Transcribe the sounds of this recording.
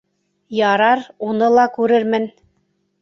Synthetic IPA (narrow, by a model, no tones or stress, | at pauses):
jɑɾɑɾunɤlˠɑkʉɾɘɾmɘn